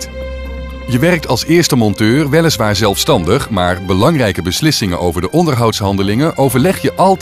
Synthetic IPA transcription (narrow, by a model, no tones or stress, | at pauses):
jəʋɛrək̚tɑlˠsɪːɹstəmɔntøːrʋɛləsʋaːɹzɛlˠfstɑndəχmaːɹbəlɑŋrɛjkəbəslɪsɪŋənʔowvəɹdəʔɔndəɹɦɑwtsɦɑndəlɪŋənʔowvəɹlɛχjəʔɑlˠ